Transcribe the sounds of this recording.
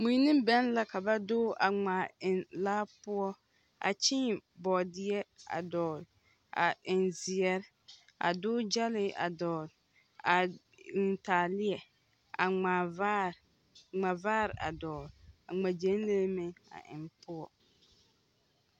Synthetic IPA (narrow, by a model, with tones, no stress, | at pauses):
mu˨˦nɪ̃˦m˦bɛ˦nla˦ka˨ba˦dʊː˦ʔa˨ŋ͡ma˨ɪ˨nlaː˦pʊ˦ɔ˦ | a̰˨t͡ʃɪ˦˨bɔː˨dɪ˦ɛ˦a̰˨dɔː˨l | a̰˨ɪ˨nzɪ˨ɛ˦ɾ | a̰˨dʊː˦d͡ʒa˦lɪ˦ʔa̰˨dɔː˨l | a˨ | ɪ˨n˨taː˨lɪ˦ɛ˨ | a˨a˨˦ | ŋ͡ma˨vaː˦ɾɪ˨ʔa˨dɔː˨la˨ŋ͡ma˨d͡ʒe˨˦n˦le˦mɪ˦a̰˨ʔɪ̰˨mpʊ˦ɔ˨